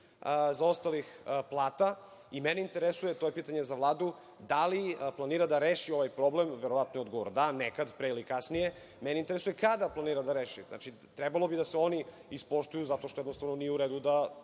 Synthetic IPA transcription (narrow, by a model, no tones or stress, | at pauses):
zao̞st̪alixplˠaːt̪aimeneint̪eɾesujet̪ojepiːt̪aɲezaʋlˠaːd̪u | d̪aliplˠaniːɾad̪aɾeːʃio̞ʋajpɾo̞blemʋeɾoʋat̪nojod̪ɡoʋoɾd̪anekad̪pɾeilikasnije | meneint̪eesujekad̪aplˠaniːɾad̪aɾeːʃina̰t͡ʃi | t̪ɾɛbalˠobid̪aseo̞ni | ispo̞ʃt̪ujuzat̪o̞ʃt̪ojd̪nost̪avno̞nijeuɾeːd̪ud̪a